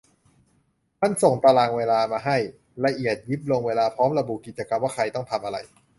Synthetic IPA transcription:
mʰa˧˥˩nso˨˩ŋpɾa˧laː˧˩ŋweː˧laː˧maː˧ɦa˥˩j | la˧ʔi˨˩ət̪̚ji˦˥p̚lo˧ŋweː˧laː˧pʰɾɔː˦˥mɾa˧bu˨˩ki˨˩t̪̚t͡ɕa˧ka˧mwaː˥˩kʰa˧jt̪ɔ˥˩ŋt̪ʰa˧mʔa˧ɾa̰˧j

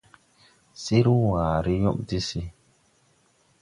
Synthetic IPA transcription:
si˦ɾu˦waː˨ɾi˦jɔ˦mdi˦si˦

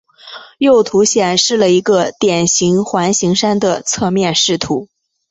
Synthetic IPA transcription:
jo˥˩ʊt̪ʰu˧˥ɕjɛ˨˩nʂɻ̩˥˩lə˩i˧˥ɡə˧t̪jɛ˨˩nɕi˧˥ŋxwa˧˥nɕi˧˥ŋʂa˥nd̪ə˨t͡sʰɤ˥˧mjɛ˥˧nʂɻ̩˥˩t̪ʰu˧˥

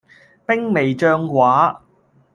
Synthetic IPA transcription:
pɪ˥ŋme˨jt͡ʃœː˧ŋkwʷaː˨˥

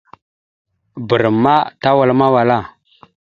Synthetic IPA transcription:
bu˨ɾmːa˦ta˦wa˨lma˦wa˨la˦˨

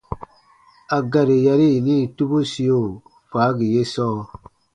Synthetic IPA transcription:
a˨ɡa˨ɾe˨ja˧ɾi˦˨ni˦˨tu˦bu˦si˦jo˦˨ | faː˨˦ɡi˨je˦sɔː˦

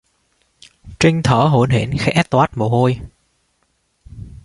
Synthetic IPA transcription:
t͡ɕï˧ŋ̟t̪ʰəː˧˩˦ɦo˧˩nɦḛ˧˨˩nxɛ˧˦ʔɛ˦˥t̚t̪waː˦˥t̚mo˨˩ho˧j

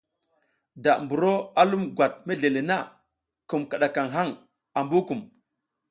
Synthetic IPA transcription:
da˨ʔmbu˨ɾo˦a˦lu˦mɡʷwa˨t̚me˦ɮe˨le˨na˦˨ | ku˨mka˨ɗa˨ka˨ŋɦa˦ŋ | a˨mbu˦ku˨m

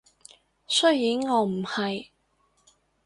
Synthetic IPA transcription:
sɵ˥jjiː˨˥ŋːɔː˨˥m̩˨˩hɐ˨j

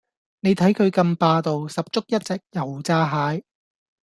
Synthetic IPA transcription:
ne˨˧jt̪ʰɐ˨˥jkʰɵ˨˧ɥkɐ˧mpaː˧t̪o˨wsɐ˨p̚t͡ʃʊ˥k̚jɐ˥t̚t͡sɛː˨k̚jɐ˨˩wt͡saː˧ɦaː˨˥j

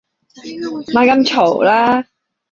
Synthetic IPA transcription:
maː˧˩kɐ˧˥mt͡ɕʰo˨˩wlaː˦˥

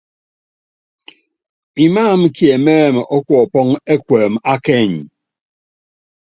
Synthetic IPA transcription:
i˨maː˦˨m̩˦kje˨mɛ˦˨m˨ʔɔ˦kʷɔ˨pɔ˦ŋe˦kʷɛː˨ma˦kɛ˦˨ɲi˨

